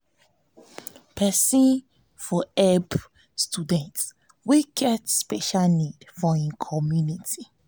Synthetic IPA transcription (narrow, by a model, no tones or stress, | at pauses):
pʰɛsĩn | fɔɛb | studɛ̃nts | wiɡɛtspɛʃalnidfɔĩnkʰɔmjuniti